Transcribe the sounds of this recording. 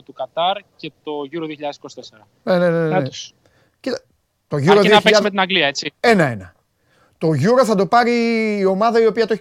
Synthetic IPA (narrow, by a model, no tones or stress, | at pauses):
t̪ukɐt̪ɐɾce̞t̪o̞ʝuɾoðioçiʎɐðesi̥kosit̪eseɾɐ | neneneɐe | cit̪ɐ | t̪o̞ʝuɾoðioɐçiesmet̪inɐŋɡliɐet͡sie̞nɐe̞nɐ | t̪o̞ʝuɾɐθɐd̪o̞pɐɾiːo̞mɐðɐio̞piɐt̪oe